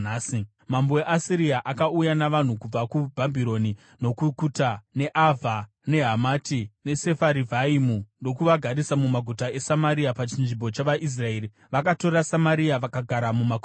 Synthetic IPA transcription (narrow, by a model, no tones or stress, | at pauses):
aːsi | mambo̞eʔasiɾiaʔakaujanaʋan̤ukub͡vakubʱabʱiɾo̞ni | no̞kukutane̞ʔavʱa | ne̞ɦamatine̞se̞faɾivʱaimuno̞kuʋaɡʱaɾisamumaɡʱutae̞samaɾiapat͡ʃinʐimbo̞t͡ʃaʋaʔis̬rae̞ːɾi | ʋakato̞ɾasamaɾiaʋakaɡʱaɾamumaɡ